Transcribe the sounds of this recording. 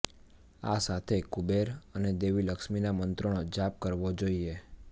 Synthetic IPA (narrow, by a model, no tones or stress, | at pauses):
asat̪ʰekubeɾəned̪eʋiləkʃminamənt̪ɾəɽ̃od͡ʒap̚kəɾʋod͡ʒoie